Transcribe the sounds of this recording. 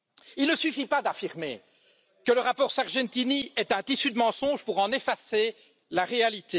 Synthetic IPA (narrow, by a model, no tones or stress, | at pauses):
ilnəsyfipad̪afiʁmḛ | kələʁapɔːʁsaʁʒɛ̃t̪iniɛt̪ɛ̃t̪isyd̪əmɑ̃sɔ̃ʒpuʁɑ̃nefase | laʁealit̪e